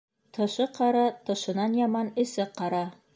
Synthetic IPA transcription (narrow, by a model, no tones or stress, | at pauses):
t̪ʰɤ̆ʃɤqɑɾɑt̪ɤ̆ʃɤ̆nɑnjɑmɑnɵ̆sɘqɑɾɑ